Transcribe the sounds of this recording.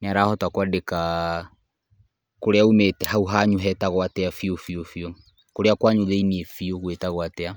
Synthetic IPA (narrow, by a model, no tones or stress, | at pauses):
neaɾaːhɔtwakwadeka | koɾeaumetɛɦauɦaɲuɦɛtaɣwatɛafiofiofio | koɾeakwaɲuðeiniefioɣwetaɣwatɛa